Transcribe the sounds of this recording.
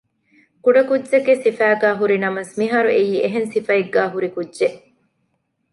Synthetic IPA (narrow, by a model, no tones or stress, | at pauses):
kuɖɐkudːd͡ʒeɡesifæːɡæːɦuɾinɐmɐsmiɦɐɾuʔejiːʔeɦensifɐeɡːæːɦuɾikudʒeʔ